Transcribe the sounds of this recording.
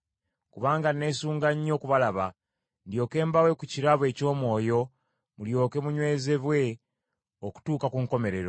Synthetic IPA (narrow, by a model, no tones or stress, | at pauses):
kuβaːŋɡane̞suːŋɡaɲːo̞ːkuβalaβa | ndjo̞ːke̞ːmbawe̞kuciɾaβwe̞ːco̞ːmwo̞ːjo̞ | muljo̞ːke̞muɲwe̞ːze̞βwe̞ | oku̥tuːkakuŋko̞me̞ɾe̞ɾo